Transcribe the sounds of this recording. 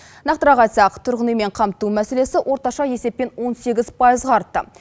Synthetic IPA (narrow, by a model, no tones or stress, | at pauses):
nɑqt̪əɾɑʁɑjt̪sɑqt̪ʰʊɾʁənijme̞ɴqʰɑmt̪umæse̞le̞sɪwʔo̞ɾt̪ɑʃɑje̞se̞p̚ːe̞nwo̞nse̞ɡʲɪz̥pʰajəzʁɑɑɾt̪ːə̰